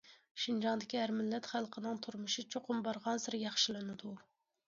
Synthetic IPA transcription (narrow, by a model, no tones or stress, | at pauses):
ʃind͡ʒɑŋd̪ɪkʲiæɾmɪlːɛt̪χælˠqʰənɨŋt̪ʰuɾmuʃit͡ʃʰoqʰʊmbɑɾʁɑnsɨɾjɑχʃɨlˠɨnɨd̪u